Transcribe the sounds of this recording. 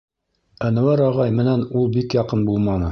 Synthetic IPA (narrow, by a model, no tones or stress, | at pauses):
ænæ̆wæɾɑʁɑjmɘ̆nænulˠbikjɑqɤnbulˠmɑnɤ